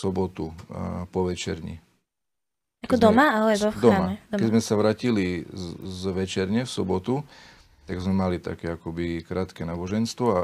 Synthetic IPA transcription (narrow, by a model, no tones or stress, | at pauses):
sɔbɔt̪upɔʋɛt͡ʃɛ̰ɾɲḭ | akɔd̪ɔmaalɛbɔd̪ɔmaɛkɛzmɛsaʋɾaːcilizʋɛt͡ʃɛɾɲɛfsɔbɔt̪u | t̪aɡzmɛmalit̪a̰kɛakɔbikɾaːt̪kɛnaːbɔʒɛnst̪ʋɔa